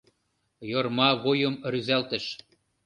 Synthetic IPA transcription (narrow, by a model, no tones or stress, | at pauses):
jormɑβojə̆mryzælt̪ə̆ʃ